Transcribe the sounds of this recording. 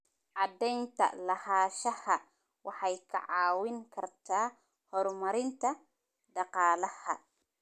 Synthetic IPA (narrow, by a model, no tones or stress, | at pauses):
ʕɑd̪ɛjnt̪ʰɐ̰lɐhaːʃɐhɐ | wɑħɑjkʰɐ̰ʕɑːwɪŋkʰɐrt̪ʰaː | hɔːrmɐɾɪnt̪ʰɐ | d̪ɑqɑːlɐhɐ̰